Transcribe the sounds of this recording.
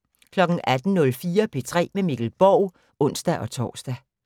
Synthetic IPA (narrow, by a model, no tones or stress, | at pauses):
kʰlɒ̽ɡ̥n̩æd̥n̩nɔ̽lfiːɐpʰe̝t͡sʰʁɛ̰ːmemiɡ̥l̩b̥ɒʊ | ɔ̽n̰sd̥æʔɒ̽t͡sʰɒ̰ːsd̥æ